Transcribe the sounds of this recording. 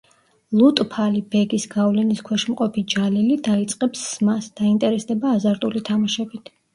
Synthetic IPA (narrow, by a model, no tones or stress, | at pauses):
lˠut̪ʼpʰalibɛɡisɡavlɛniskʰwɛʃmqʼɔpʰid͡ʒalilid̪ait̪sʼqʼɛpsːmasd̪̥aint̪ʼɛɾɛsd̪ɛbaːzaɾt̪ʼulit̪ʰamaʃɛbit̪ʰ